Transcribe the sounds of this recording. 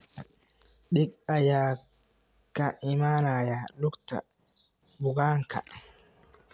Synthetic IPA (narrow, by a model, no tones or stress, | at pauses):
ɗikajaː | kːaʔimaːnaːjalukta̰ | bʊɡaːŋka̰